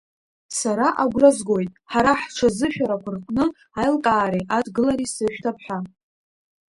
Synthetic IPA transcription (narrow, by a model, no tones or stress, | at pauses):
saɾaʔaɡʷrazɡo̞jtʼħaɾaħʈ͡ʂʰazɨʃᶣaɾakʷʰʊrqʼnɨ | ajlkʼaːɾiʔadɡɨlaɾisɨʃʷᶣtʰapʰħʷᶣa